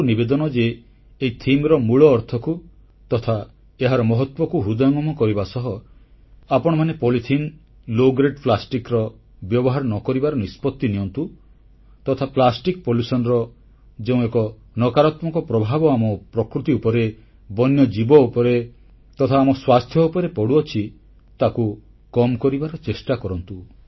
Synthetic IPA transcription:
nibed̪ɔnɔd͡ʒeː | it̪ʰimɾɔmuɭɔːɾt̪ʰɔku | t̪ɔt̪ʰa | eɦaɾɔmɔɦɔt̪wɔkuɦud̪ɔjɔŋɔmɔkɔɾibasɔɦɔ | apɔɽ̃ɔmanepolit̪ʰin | loɡɾeʈplasʈikɾɔ | bjɔbɔɦaɾɔnɔkɔɾibaɾɔnispɔt̪ːinijɔnt̪u | t̪ɔt̪ʰaplasʈikpolisɔnɾɔ | d͡ʒeũekɔ | nɔkaɾɔt̪mɔkɔpɾɔbʱabɔamɔpɾɔkɾut̪iupɔɾe | bɔnjɔd͡ʒibɔupɔɾe | t̪ɔt̪ʰaːmɔswast̪ʰjɔupɔɾepɔɽuɔt͡ʃʰi | t̪aku | kɔmkɔɾibaɾɔt͡ʃesʈakɔɾɔnt̪u

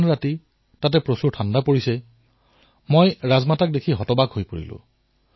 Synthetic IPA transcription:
nɹati | tat̬ɛpɹosuɹtʰandapoɹisɛ | mojɹazmatak̚dekʰiɦɔtɔbaɡɦojpoɹḭlʊ̰̃

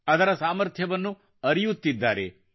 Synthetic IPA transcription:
ɐd̪ɐɾɐsaːmɐɾt̪ʰjɐʋɐnːu | ɐɾijut̪ːid̪ːaːɾḛ

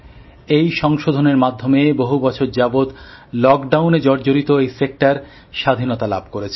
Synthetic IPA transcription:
ejʃɔŋʃod̪ʱoneɾmad̪ʱːomeboɦubɔt͡ɕʰoɾd͡ʑabod̪lɔkɖawned͡ʑɔɾd͡ʑoɾit̪oejsek̚ʈaɾ | ʃad̪ʱinot̪ala̰b̚ʱkoɾet͡ɕʰe

